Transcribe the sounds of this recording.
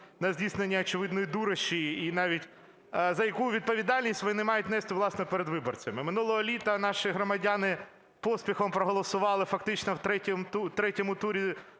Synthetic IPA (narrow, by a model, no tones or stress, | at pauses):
nɐzʲdʲisnenʲːɐɔt͡ʃɪʋɪd̪nɔjid̪uɾɐʃiinɑʋʲitʲ | zɐjɐkuʋʲid̪̚pɔʋʲid̪ɑlʲnʲisʲtʲʋɔnɪmɑjʊt̚ʲnɛst̪ɪʋlˠɑsnɔpeɾed̪ʋɪbɔrt͡sʲɐmɪmɪnulˠɔɦɔlʲit̪ɐnɑʃiɦɾɔmɐdʲanɪ | pɔsʲpʲixɔmpɾɔɦɔlˠɔsʊʋɑlˠɪfɐkt̪ɪt͡ʃnɔwt̪ɾɛtʲɔmt̪ut̪ɾɛtʲɔmʊt̪uɾʲi